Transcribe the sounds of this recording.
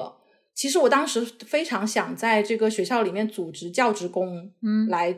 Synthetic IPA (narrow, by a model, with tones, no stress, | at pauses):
ə̰˩ | t͡ɕʰi˧˥ʂɻ̩˧˥wɔ˨˩t̪ɑ˥ŋʂɻ̩˧˥fe˥ɪʈ͡ʂʰɑ˧˥ŋɕjɑ˨˩ŋt͡sa˥˧ɪʈ͡ʂɤ˥˩ɡə˩ɕɥɛ˧˥ɕjɑ˥˩ʊli˨˩mjɛ˥˩nt͡su˨˩ʈ͡ʂɻ̩˧˥t͡ɕjɑ˥˩ʊʈ͡ʂɻ̩˧˥kʊ˥ŋla˧˥ɪ